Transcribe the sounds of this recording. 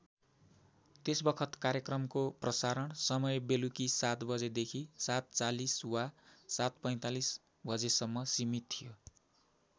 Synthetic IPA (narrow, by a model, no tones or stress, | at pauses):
t̪esbʌkʰʌt̪kaɾjʌkrʌmkoprʌsaɾʌɳsʌmʌjbelukisat̪bʌd͡zed̪ekʰisat̪̚t͡saliswasat̪̚pʌj̃t̪alis | bʱʌd͡zesʌmːʌsimit̪ʰːijo